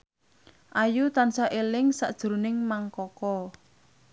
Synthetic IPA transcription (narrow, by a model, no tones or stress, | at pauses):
ʔajut̪ansaʔelɪŋsaʔd̥ʒ̥ɾonɪŋmaŋkɔkɔ